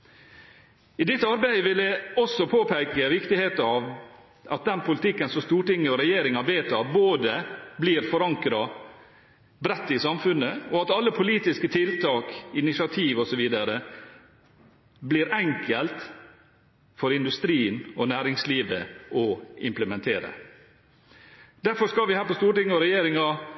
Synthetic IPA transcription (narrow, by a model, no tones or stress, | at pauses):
ɪd̪ɪt̪ːɑɾbæɪəʋɪlɛɔsɔpʰoːpʰæɪkəʋɪkt̪ɪheːt̪ɑɑʋ | ɑt̪̚d̪ɛnpʰʊlɪt̪ʰɪkːənsɔmst̪uːʈɪŋːəɔɾɛjeːɾɪŋɑbeːt̪ʰɑːboːd̪əbliːɾfɔɾɑŋkɾɑ | bɾɛt̪ːɪsɑmfʉnəɔɑt̪ɑlːəpʰʊliːt̪ɪskət̪ʰɪlt̪ʰɑːkɪnɪsɪɑt̪ʰiːʋɔsɔʋiːd̪ɑɾə | bliːɾɛŋkəlt̪ | fɔɾɪnd̪ʉst̪ɾiːnɔnæːɾɪŋsliːʋəɔɪmpləmɛnt̪ʰeːɾə̰ | d̪̥æɾfɔɾʂkɑlʋɪhæːɾpɔst̪uːʈɪŋːəɔɾɛjeːɾɪŋɑ